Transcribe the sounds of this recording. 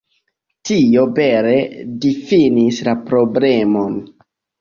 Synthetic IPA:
tio̞be̞ɾe̞difinislapɾo̞ble̞mo̞n

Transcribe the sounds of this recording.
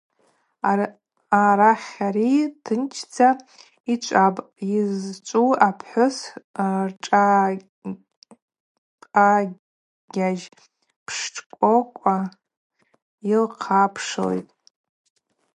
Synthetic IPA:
aɾaχʲaɾitʰɨnt͡ʃʰd͡zʰa | it͡ʃʷʼapʼ | izt͡ʃʷʼuapʰħʷʊsrʈ͡ʂʼa | a | ɡʲaʒ | pʰʂʈ͡ʂʼkʷʼokʷʼa | ilqʰapʰʂlḛjtʼ

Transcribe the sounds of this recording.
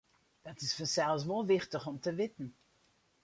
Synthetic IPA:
d̥ɑtɪsfənsɛlˠsʋolˠʋɪχtəχɔmtəʋɪtən̩

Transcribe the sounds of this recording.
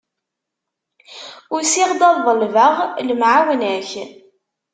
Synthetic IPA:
ʊɾsiʁd̪ɑðːˤəlvaʁləmʕawnæç

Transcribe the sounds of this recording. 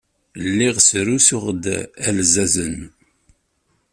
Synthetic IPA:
lːiʁsɾusʊχd̪ælzæzən

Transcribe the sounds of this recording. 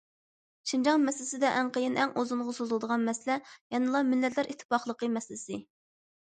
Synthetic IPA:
ʃind͡ʒɑŋmɛslɪsɪd̪ɛʔæŋqəjɪnʔɛŋʔozuɴʁəsozlˠd̪əʁɑnmɛslɛjɛnɨlˠɑmɪlːɛt̪læɾʔit̪ʰːɨ̥pɑχlˠəqəmɛslɪsɪ

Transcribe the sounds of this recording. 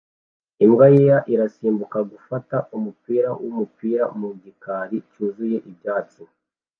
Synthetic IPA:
imɡajejaʔiɾasiːmbukaɡufataʔumupiːɾawʔumupiːɾamuɟikaːɾicuːzuje̞ʔib̚ɟaːt͡si

